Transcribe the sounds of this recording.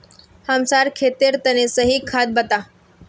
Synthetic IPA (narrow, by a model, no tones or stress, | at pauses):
həmsaɾkʰet̪eɾt̪ənesəɦikʰːad̪̚bət̪a